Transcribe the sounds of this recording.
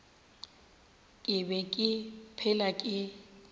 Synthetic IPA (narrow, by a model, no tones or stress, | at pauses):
kʼɪbɛkʼɪpʰɛlakʼɪ